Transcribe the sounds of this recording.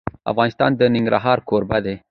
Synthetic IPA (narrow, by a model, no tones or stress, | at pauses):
a̰fɣɑːnist̪ɑ̰ːnd̪əniŋɡɾa̰ɦɑːɾkoːɾbad̪e